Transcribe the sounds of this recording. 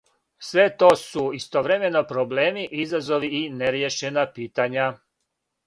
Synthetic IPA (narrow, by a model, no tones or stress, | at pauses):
sʋe̞t̪o̞ːsuist̪o̞ʋɾeme̞no̞pɾoble̞ːmiʔizazo̞ʋiineɾjeʃe̞napiːt̪aɲa